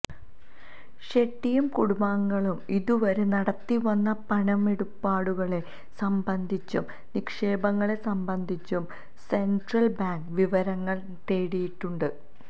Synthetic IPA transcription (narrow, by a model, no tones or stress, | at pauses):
ɕe̞ʈːijumkuɽumaːŋːɐɭumiðuʋɐɾenɐɽɐt̪ːiʋɐnːɐpɐɳɐme̞ɽupːaːɽuɣɐɭe̞ | sɐmbɐnd̪ʱit͡ɕːum | nikʂe̞ːbɐŋːɐɭe̞sɐmbɐnd̪ʱit͡ɕːum | se̞ɳɖrɐlbaːŋɡʋiʋɐɾɐŋːɐɭ | t̪e̞ːɽijiʈːuɳɖɨ